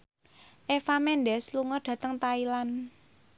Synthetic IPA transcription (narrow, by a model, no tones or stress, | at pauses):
ʔefamɛnɖɛsluŋɔrɖ̥ä̤t̪əŋt̪ailan